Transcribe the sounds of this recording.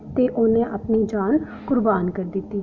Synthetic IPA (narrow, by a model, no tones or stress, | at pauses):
t̪eːʔonẽːʔəpniːd͡ʒaːn | kʊɾbaːnkəɾd̪ɪt̪ːiː